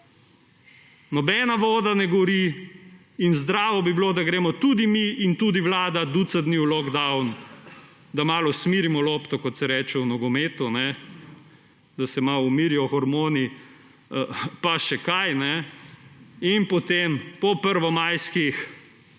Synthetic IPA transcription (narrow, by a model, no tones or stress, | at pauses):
nɔbɛnaʋɔːd̪anɛɡɔɾiː | nzd̪ɾaːʋɔbibiloːd̪aɡɾeːmɔt̪ud̪imiint̪uːd̪iwlaːd̪ad̪ut̪sad̪niwlɔɡd̪awn | d̪amaːlɔsmiːɾimɔlɔːpt̪ɔkɔt̪sɛɾɛːt͡ʃɛwnɔɡɔmeːt̪unɛ | d̪asɛmawumiːɾiɔxɔɾmoːni | paʃɛkajnɛ | inpɔt̪empɔpəɾʋɔmajskix